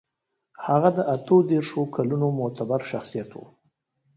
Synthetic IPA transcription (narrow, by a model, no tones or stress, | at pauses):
haɣad̪əʔat̪od̪eɾʂokʰalunomʊt̪abaɾʃaxsijat̪wṵ